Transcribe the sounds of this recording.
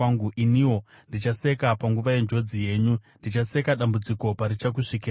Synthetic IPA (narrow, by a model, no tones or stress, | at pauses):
ŋɡuʔiniwo̞ | ndit͡ʃase̞kapaŋɡuʋaje̞nd͡ʒo̞d͡zije̞ːɲundit͡ʃase̞kaɗambud͡ziko̞paɾit͡ʃak̬uʂik̬i